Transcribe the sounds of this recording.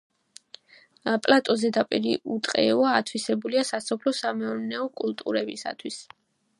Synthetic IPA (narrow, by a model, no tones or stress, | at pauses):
pʼlat̪ʼɔzɛd̪apʼiɾiut̪ʼqʼɛaːt̪ʰwisɛbuliasasɔpʰlɔsamɛɔɾnɛɔkʼulˠt̪ʼṵɾɛbisa̰t̪ʰwis